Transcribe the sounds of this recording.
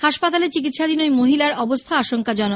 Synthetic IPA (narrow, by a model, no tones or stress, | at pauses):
haʃpat̪alet͡ɕik̬it̪ʃad̪inojmoɦilaɾɔbost̪ʰaaʃoŋkad͡ʑɔno